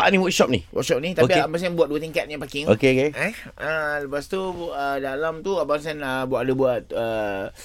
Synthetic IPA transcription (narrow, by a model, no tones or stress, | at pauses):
aʔanĩwək̚ʃɔp̚nḭwə̰k̚sɔp̚nit̪aopiapas̬anbuat̪̚duət̪iŋkat̪̚ɲãpakɪŋo̰keokeɛ | ələpast̪uədalamt̪uabaŋs̬anəbuat̪̚dəbuat̪̚ə